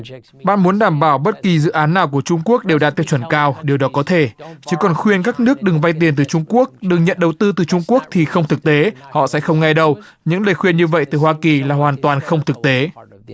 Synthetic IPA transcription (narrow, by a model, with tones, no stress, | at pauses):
ɓa̰ː˧˨nmu˨˦nɗaː˧˩mɓaː˧˩wɓə˦˥t̚ki˨˩zɨ̰˧˨ʔaː˨˦nːaː˨˩wku˧˩ət͡ɕʊ˧ŋ͡mku˦˥ək̚ɗe˨˩wɗaː˧t̪i˦˥ət͡ɕʰə˧˩nkaː˧wɗe˨˩əwɗɔ˨˦kɔ˨˦t̪ʰe˧˩t͡ɕɨ˨˦kɔ˨˩nxwi˧ənkaː˦˥k̚nɨ˦˥ək̚ɗɨ˨˩ŋva˧jt̪̬i˨˩ənt̪ɨ˨˩t͡ɕʊ˧ŋ͡mku˦˥ək̚ɗɨ˨˩ŋɲə̰˧˨nɗə˨˩wt̪ɨ˧t̪ɨ˨˩t͡ɕʊ˧ŋ͡mku˦˥ək̚t̪ʰi˨˩xə˧wŋ͡mt̪ʰɨ˨˩k̚t̪e˨˦hɔ̰˧˨sɛ̰˧˥xə˧wŋ͡mŋa˧jɗə˧w | ɲɨ̰˧˥ŋləː˨˩jxwi˧ənɲɨ˧və̰˧˨jt̪ɨ˨˩hwaː˧ki˨˩laː˨˩waː˨˩nt̪waː˨˩nxə˧wŋ͡mt̪ʰɨ˨˩k̚t̪e˨˦